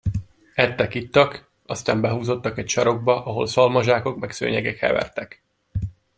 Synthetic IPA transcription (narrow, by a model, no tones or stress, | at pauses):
ɛt̪ːɛkit̪ːɒk | ɒst̪aːmbɛɦuːzo̞t̪ːɒkɛcʃɒɾo̞ɡ̚bɒʔɒɦo̞̰lsɒlmɒʒaːko̞kmɛksø̰ːɲɛɡɛkhɛ̰vɛ̰rt̪ɛk